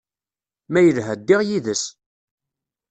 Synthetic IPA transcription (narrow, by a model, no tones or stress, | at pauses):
mæjəlɦæd̪ːɪʁjiðəs